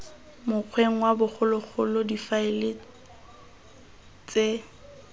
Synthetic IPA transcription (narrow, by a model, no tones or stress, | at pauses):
mʊq͡χʰweŋ̩wabʊk͡xʰʊlʊk͡xʰʊlodifaɪlɪ | t͡sʼe